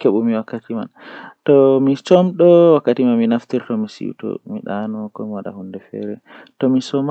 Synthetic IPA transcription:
keɓumiwakːatima̰ntɔmit͡ʃɔmɗɔwakːatimanminaftiɾtɔmisḭwtɔ̰mḭɗanɔkɔmiwaɗa̰hundɛfɛ̰ɾɛ | tɔmisɔm

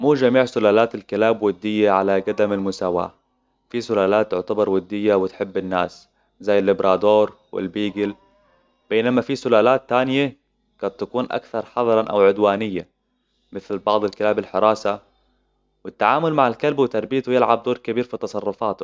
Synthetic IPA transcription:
muːd͡ʒamiːʕsʊlaːlaːt̪alkɪlaːbwad̪ːɪjːaʕalaɡad̪amalmʊsaːwa̰ː | fisʊlaːlaːt̪ːʊʕt̪abɑɾˤwad̪ːɪjːawɪt̪ħɪbːɪnːa̰ːs | zaːjɪlːɪbɾʔɑːd̪oːɾˤ | wɪ̰lbiːɡɪl | b̥eːnamafisʊlaːlaːt̪ːaːnɪja | ɡ̥aːt̪ːakuːnʔa̰kθɑɾˤħɑðˤɑɾˤɑʔa̰wʕʊd̪waːnɪjːa | mɪθlbɑʕðˤalkɪlaːbɪlħɪɾˤɑːsa | wɪt̪ːaʕaːmʊlmaʕalkalbwɪt̪ɑɾˤbijt̪wjɪlʕab̚d̪oːɾˤkabiːɾfit̪ɑsˤɑrˤːʊfaːt̪ʊ

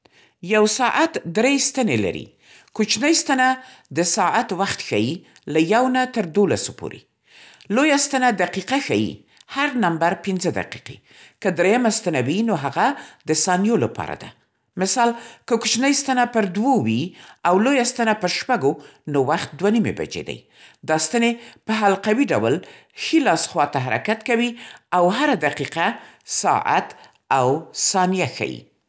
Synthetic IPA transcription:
jawsɑʔat̪d̪ɾest̪anela̰ɾḭ | kut͡ʃnəjst̪ana | d̪əsɑʔat̪waxt̪xa̰ji | lajawnat̪əɾd̪olasopo̰ɾḛ | lojast̪anad̪aqiqaxajḭ | haɾnambaɾpɪnzəd̪a̰qi̥qḛ | kəd̪ɾejamast̪anawinoɦaɣad̪əsɑnjolapɑ̰ɾa̰d̪a | mɪsɑlkəkʊt͡ʃnajst̪anapəɾd̪wowiawlojast̪anapəɾʃpaɡonowaxt̪̚d̪wanimḛba̰d͡ʒḛd̪a̰j | d̪ɑst̪anepəɦalqawiɖawəl | xilɑsxwɑt̪aɦaɾa̰kat̪kawiawɦaɾad̪aqiqasɑ̰ʔa̰t̪ | awsɑnijaxa̰jḭ

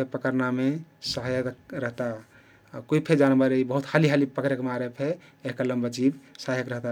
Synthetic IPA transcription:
epəkəɾnamesəɦajəɾəɦt̪a | koipʰed͡ʒanbəɾeibəɦut̪haliɦalipəkɾekmaɾepʰeː | ɦkaləmbəd͡ʒibsaɦəkɾəɦt̪a

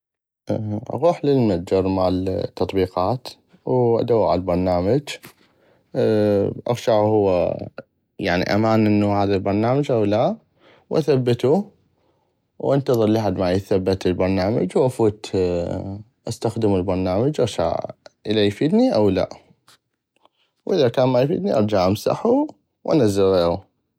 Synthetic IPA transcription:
ʔa̰ɣuːħlilmnad͡ʒɑɾˤmalt̪ːɑt̪ˤbiːqɑːt̪ | wʔa̰d̪awːʕa̰lbɑɾˤnaːmad͡ʒ | ʔa̰ɣʃaʕhʊwːa̰ | jaʕnḭʔa̰maːnʔɪnːuhaːðalbɑɾˤnaːmad͡ʒʔawla | wʔa̰θabːɪt̪u | wʔɪnt̪ɑðˤɨɾˤlaħad̪maʕjθabːat̪ɪlbɑɾˤnaːma̰d͡ʒwʔafuːt̪ | ʔast̪axd̪ɪmɪlbɑɾˤnaːmad͡ʒʔɑɣʃa̰ʕʔɪlajfiːd̪niʔawla̰ | wʔɪðakaːnmajfḭːd̪niʔɑɾˤd͡ʒaʕʔamsa̰ħu | wʔa̰nazːɪɾeːu

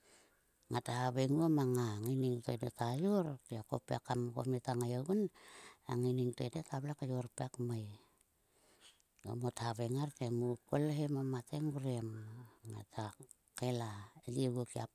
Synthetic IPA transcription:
ŋatahaβeŋuomaŋaŋiniŋtodetajoɾteako̰pḛkamko̰mitaŋajoɡunaŋiniŋtojdetablakajoɾpekmaj | o̰motaβeŋartemukolɦemamateŋuɾemŋa̰tʰa | kelaelieɡokiap

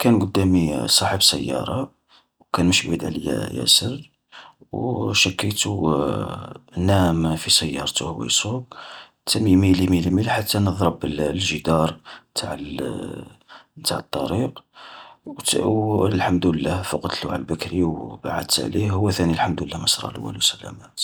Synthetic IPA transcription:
kænɡʊd̪ːæmisˤɑħəbsə̰jːɑ̰ɾˤɑ | wkænməʃbid̪ʕlijæ̰jæ̰səɾ | wʃəkːət̪u | næmfisəjːɑ̰ɾˤt̪uhwæ̰jsˤuɡ | t̪ʰæmimilimilimilħat̪ːænəðˤɾˤəbəllʒəd̪ɑɾˤt̪ʰaʕə | t̪aʕət̪ˤːɑɾiq | lħamd̪əlːæhfoqd̪luʕa̰lbəkɾiwbaʕa̰d̪t̪ʕlihhʊwːæθænilħəmd̪wəlːæməsɾˤɑ̰lwːæ̰lusəlæ̰mæt̪

